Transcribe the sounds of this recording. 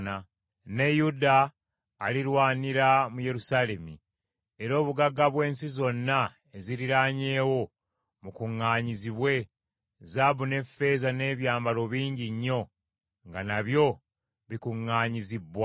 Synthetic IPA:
na | ne̞judaː | liɾwaːniɾamuje̞ɾusale̞mi | e̞ɾo̞ːβuɡaɡaβwe̞ːnsizo̞nːa | e̞ziɾiɾaɲe̞ːwo̞ | mukuŋːaːɲiziβwe̞ | zabune̞fe̞zane̞ːβjaːmbalo̞βiːɲɟiɲːo̞ | ŋɡanaβjo̞ | βikuŋːaːɲizibwa

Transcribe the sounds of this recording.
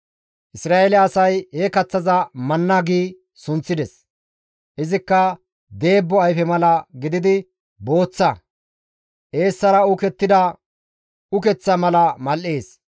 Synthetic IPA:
ʔɪsɾaːʔelɛɐsɐjhekɐt͡sːɐzɐmɐnːɐɡiː | sʊnt͡sːɪd̪ɛs | ʔɪzɪkːɐ | d̪e̞ːbːɔɐjfɛmɐlɐɡɪd̪ɪd̪ɪ | bo̞ːt͡sːɐ | ʔe̞ːsːɐɾɐʊkɛt̪ːɪd̪ɐ | ʊkɛt͡sːɐmɐlɐmɐlʔeːs

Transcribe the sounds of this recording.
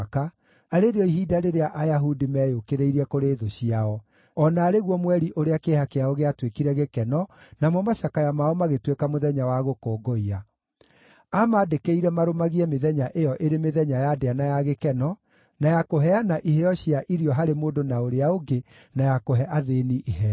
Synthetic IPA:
ka | aɾeɾeɔiɦiːdaɾeɾeaʔajaɦudimɛːjokeɾeiɾiɛkoɾeːðoɕiaɔ | ɔnaːɾeɣwɔmwɛɾiʔoɾeakehakeaoɣeatwekiɾɛɣekɛnɔnamɔmaɕakajamaɔmaɣetwekamoðɛɲawaɣokoːɡɔia | amaːdekeiɾɛmaɾomaɣiɛmeðɛɲaʔejɔʔeɾemeðɛɲajadeanajaɣekɛnɔ | najakoɦɛanaʔihɛjɔɕiaʔiɾiɔɦaɾemoːdonaoɾeaoɡe | najakoɦɛʔaðeniʔihɛ

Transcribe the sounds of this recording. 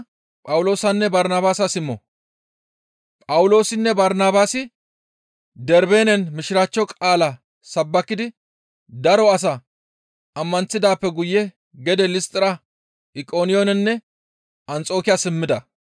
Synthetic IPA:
pʼɐwlo̞ːsɐnːɛbɐɾnaːbaːsɐsɪmːɔ | pʼɐwʊlo̞ːsɪnːɛbɐɾnaːbaːsɪ | d̪ɛɾbeːnɛnmɪʃɪɾat͡ʃːɔkʼaːlɐ | sɐbːɐkːɪd̪ɪ | d̪ɐɾɔɐs̬ɐ | ɐmːɐnt͡sːɪd̪aːpːɛɡʊjːɛ | ɡɛd̪ɛlɪst̪ʼɪɾɐ | ʔɪkʼo̞ːnɪjonɛnːɛ | ɐnt͡sʼo̞ːkɪjasɪmːɪd̪ɐ

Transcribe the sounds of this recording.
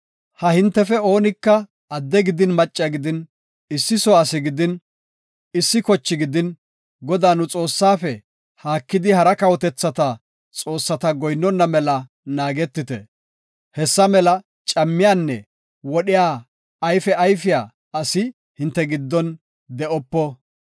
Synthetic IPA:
hɐhɪnt̪ːɛfɛo̞ːnɪkːɐ | ɐd̪ːɛɡɪd̪ɪnmɐt͡ʃʼːɪɐɡɪd̪ɪn | ɪsːɪsɔɐsɪɡɪd̪ɪn | ɪsːɪkɔt͡ʃːɪɡɪd̪ɪn | ɡɔd̪aːnʊt͡sʼo̞ːsːaːfɛ | haːkːɪd̪ɪhɐɾɐkɐwɔt̪ɛt͡sːɐt̪ɐ | t͡sʼo̞ːsːɐt̪ɐɡɔjnːɔnːɐmɛlɐ | naːɡɛt̪ːɪt̪ɛ̰ | hɛsːɐmɛlɐ | t͡ʃʼɐmːɪjaːnːɛ̰ | wɔɗɪjaː | ɐjfɛɐjfɪjaː | ɐsɪ | hɪnt̪ːɛɡɪd̪ːɔn | d̪ɛʔɔpːɔ

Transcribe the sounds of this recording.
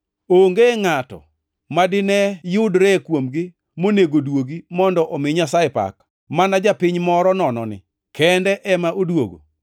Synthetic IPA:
oŋɡeŋatɔ̰ | madɪnɛjʊdɾɛkwomɡɪ | moneɡodwoɡimɔndɔʔomɪɲasajepa̰k | manad͡ʒapɪɲmɔɾɔnɔnɔnɪ̰ | kɛndɛʔɛmaʔodwo̰ɡo̰

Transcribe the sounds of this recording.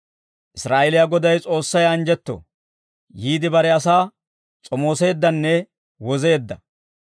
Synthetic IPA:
ʔɪsɾaːʔelɪjaɡɔd̪ɐjt͡sʼo̞ːsːɐjɐnd͡ʒɛt̪ːo̰ː | jiːd̪ɪbɐɾɛɐsaː | t͡sʼɔmo̞ːse̞ːd̪ːɐnːɛ | wɔze̞ːd̪ːɐ

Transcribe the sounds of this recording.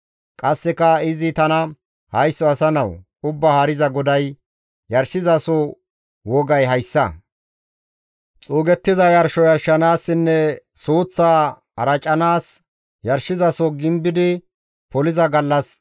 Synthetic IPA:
kʼɐsːɛkɐɪzɪt̪ɐnɐ | hɐjsːɔɐsɐnɐw | ʊbːɐhaɾɪzɐɡɔd̪ɐj | jɐɾʃɪzɐsɔ | wɔɡɐjɦɐjsːɐ̰ | t͡sʼuːɡɛt̪ːɪzɐjɐɾʃɔjɐɾʃːɐnaːsːɪnːɛsuːt͡sːaː | ɐ̰ɾɐt͡ʃʼːɐnaːs | jɐɾʃɪzɐsɔɡɪmbɪd̪ɪ | pɔlɪzɐɡɐlːɐs

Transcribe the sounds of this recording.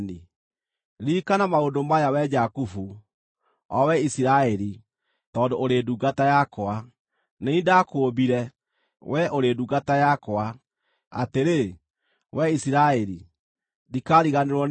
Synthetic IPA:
ni | ɾikanamaondomajawɛd͡ʒakufu | ɔwɛisiɾaɛɾi | tɔndoːɾeduːɡatajakoa | neindakobiɾɛ | wʔɛʔoɾeːduːɡatajakoa | a̰teɾe | wɛisiɾaɛɾi | dikaɾiɣaneɾwɔ

